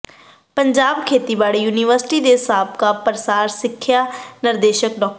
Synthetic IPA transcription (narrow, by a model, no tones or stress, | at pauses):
pəɲd͡ʒaːbkʰeːt̪iːbaːɽijuːnɪʋəɾsɪ̥ʈiːd̪eːsaːp̚kaːpəɾəsaːɾsɪkʰːjaːnɪɾd̪eːʃək̚ɖɔːk̚